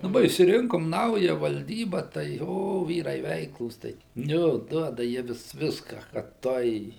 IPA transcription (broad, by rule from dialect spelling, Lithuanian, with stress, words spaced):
dɐˈbɐ ɪʃʲsʲɪˈrʲɪŋkoːm ˈnɐʊjɛ ʋɐlʲˈdʲiːbɐ tɐɪ ˈjoː ˈʋʲiːrɐɪ ˈʋʲɛɪklˠuːs ˈtɐɪ ˈjoː ˈduɔdɐ ˈjiɛ ʋʲɪs ˈʋʲɪskɐ kɐt ˈtuɔj